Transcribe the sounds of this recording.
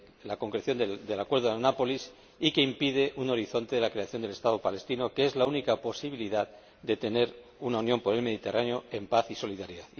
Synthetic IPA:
lako̞ŋkɾeθjo̞nd̪e̞lakwe̞ɾðoðnapo̞lis | ike̞impiðe̞ʔuno̞ɾiθo̞nt̪e̞ðelakɾe̞aθjo̞nd̪e̞le̞st̪aðo̞pale̞st̪ino̞keezlaunikapo̞siβ̞iliðað | d̪e̞t̪e̞ne̞ɾ | unaunjo̞mpo̞ɾe̞lme̞ðit̪e̞raneo̞e̞mpaθiso̞liðaɾiðað

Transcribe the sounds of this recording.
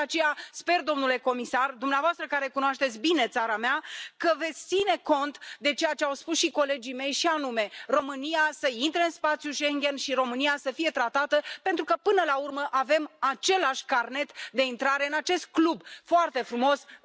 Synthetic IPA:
at͡ʃe̞jaspe̞rd̪o̞mnule̞ko̞misard̪umneavoast̪ɾəkaɾe̞kunoaʃt̪e̞t̪sʲbine̞t̪saɾameakəve̞t̪sʲt̪sine̞ko̞nt̪d̪e̞t͡ʃe̞jat͡ʃe̞awspusʃiko̞le̞d͡ʒime̞jʃianume̞ro̞mɨniasəint̪ɾeɨnspat̪sjuʃe̞ŋɡʲe̞nʃiɾo̞mɨnijasəfije̞t̪ɾat̪at̪əpe̞nt̪ɾukəpɨnəlaurməʔave̞mat͡ʃe̞laʃʲkarne̞t̪d̪e̞int̪ɾaɾe̞ɨnat͡ʃe̞st̪̚klubfoart̪e̞fɾumo̞s

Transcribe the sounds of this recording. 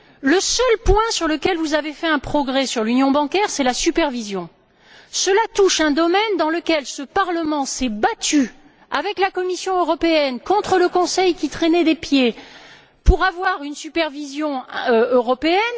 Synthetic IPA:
ləsœlpwɛ̃syʁləkʲɛlvuzavefɛɛ̃pχɔɡʁɛsyʁlynjɔ̃bɑ̃kʲɛʁsɛlasypɛʁvizjɔ̃ | səlat̪uʃɛ̃d̪ɔmɛnd̪ɑ̃ləkʲɛlsəpaʁləmɑ̃sɛbat̪y | avɛklakɔmisjɔ̃øʁɔpeɛnkɔ̃t̪χələkɔ̃sɛjkʲit̪χɛnɛd̪epje | puʁavwaʁynsypɛʁvizjɔ̃øʁɔpeɛn

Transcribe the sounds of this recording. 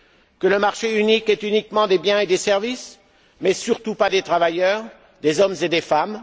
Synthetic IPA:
kələmaʁʃeynikɛt̪ynikmɑ̃d̪ebjɛ̃ed̪esɛʁvis | mɛsyʁt̪upad̪et̪χavajœːʁ | d̪ezɔmzed̪efam

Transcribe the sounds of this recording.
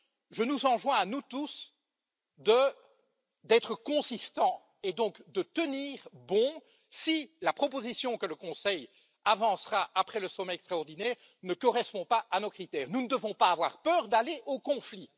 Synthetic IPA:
ʒənuzɑ̃ʒwɛ̃anut̪us | d̪ə | d̪ɛt̪χəkɔ̃sist̪ɑ̃ | ed̪ɔ̃kd̪ət̪əniːʁbɔ̃ | silapχɔp̬ozisjɔ̃kələkɔ̃sɛj | avɑ̃sʁaʔapχɛləsɔmɛɛkst̪χaɔʁd̪inɛːʁ | nəkɔʁɛspɔ̃paʔanɔkχit̪ɛːʁnunəd̪əvɔ̃paːvwaʁpœːʁd̪aleʔokɔ̃fli

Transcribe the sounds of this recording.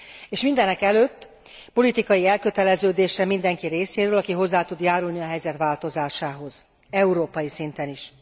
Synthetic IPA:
eːʃmind̪ɛnɛkɛløːt̪ː | po̞lit̪ikɒjiɛlkøt̪ɛlɛzøːd̪eːʃɛmind̪ɛŋkiɾeːseːɾøːlɒkiɦo̞zːaːt̪ud̪jaːɾulniɒɦɛjzɛt̪ʋaːlt̪o̞zaːʃaːɦo̞z̥ | ɛuɾoːpɒjisint̪ɛniʃ

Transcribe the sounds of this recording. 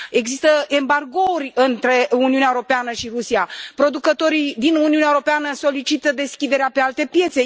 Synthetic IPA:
e̞ɡzist̪əe̞mbarɡo̞urʲɨnt̪ɾe̞uniuneaewoɾo̞peanəʃiɾusiapɾo̞d̪ukət̪o̞ɾid̪inuniuneaeuɾopeanəso̞lit͡ʃit̪əd̪e̞skʲid̪e̞ɾeape̞alt̪e̞pje̞t̪se

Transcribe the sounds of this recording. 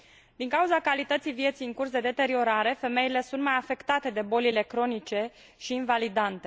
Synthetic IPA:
d̪̥iŋkauzakalit̪ət̪sijvije̞t̪sijɨŋkursd̪e̞d̪e̞t̪e̞ɾio̞ɾaɾe̞fe̞me̞ile̞sunt̪majafe̞kt̪at̪e̞d̪e̞bo̞lile̞kɾo̞nit͡ʃe̞ | ʃiːnvalid̪ant̪e̞

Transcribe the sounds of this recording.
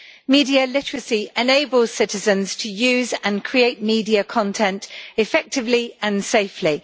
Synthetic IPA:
miːdiəlɪtəɹəsiɛneɪbəl̥ˠsɪtɪzə̃nz̥tʰəjʉːzə̃nkʰɹ̥ieɪʔmiːdiəkʰɒ̃ntʰɛ̃ntɪfɛk̚tɪvliə̃nseɪfli

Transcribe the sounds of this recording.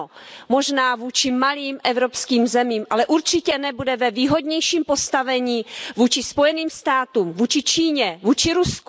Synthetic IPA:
mo̞ʒnaːvuːt͡ʃɪmaliːmʔɛvɾopskiːmzɛmiːmʔalɛʔuɾt͡ʃɪcɛnɛbudɛvɛviːɦo̞dɲɛjʃiːmpo̞st̪avɛɲiːvuːt͡ʃɪspo̞jɛniːmst̪aːt̪uːmvuːt͡ʃɪt͡ʃiːɲɛvuːt͡ʃɪɾusk

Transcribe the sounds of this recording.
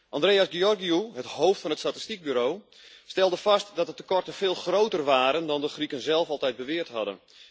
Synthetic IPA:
ʔɑ̃ndreːasɡeɔrɡiuɦəthoːftfɔnətstati̥stik̚byɾoː | stɛlˠdəfastdɔtətəkɔrtəfeːlˠxrowtərʋaːɾəndɔndəxrikənzɛlˠfɑlˠtɛjt̚bəʋɪərthɑdə̰n

